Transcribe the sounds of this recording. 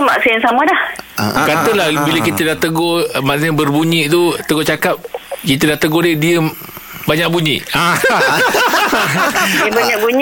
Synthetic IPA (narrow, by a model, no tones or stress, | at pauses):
maʔsinsamadahkat̪əlahbiləkit̪ədaht̪əɡomaʔsnbərbuɲiʔt̪ut̪əɡot͡ʃakap̚kit̪ədaht̪əɡodədiə | baɲaʔ̚buɲḭʔa | əbaɲakbuɲ